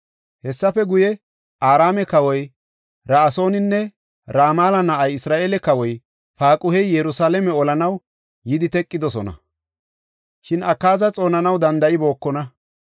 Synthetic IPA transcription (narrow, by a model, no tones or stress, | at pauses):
hɛsːɐfɛɡʊjɛ | ʔaːɾaːmɛkɐwɔj | ɾaːso̞ːnɪnːɛ | ɾaːmaːlɐnɐʔɐjɪsɾaːʔeːlɛkɐwɔj | faːkʼʊhɛjjɛɾʊsaːlɛmɛɔlɐnɐw | jɪd̪ɪt̪ɛkʼːɪd̪ɔsɔnɐ̰ | ʃɪnɐkːaːzɐt͡sʼo̞ːnɐnɐwd̪ɐnd̪ɐʔɪbo̞ːkːɔnɐ